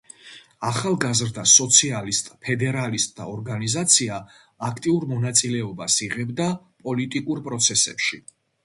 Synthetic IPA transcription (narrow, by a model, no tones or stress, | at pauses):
aχalˠɡazɾd̪asɔt̪sʰialist̪ʼpʰɛd̪ɛɾalist̪ʼd̪a̰ɔɾɡanizat̪sʰiaː | kʰt̪ʼiuɾmɔnat̪sʼilɛɔbasiʁɛbd̪a | pʼɔlit̪ʼikʼuɾpʼɾɔt̪sʰɛsɛ̰pʃi